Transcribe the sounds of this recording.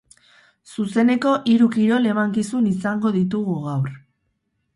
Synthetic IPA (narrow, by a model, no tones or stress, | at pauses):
suse̞ne̞ko̞ʔiɾukiɾo̞le̞maŋkisunisaŋɡo̞ðit̪̬uɣ̞uɣawɾ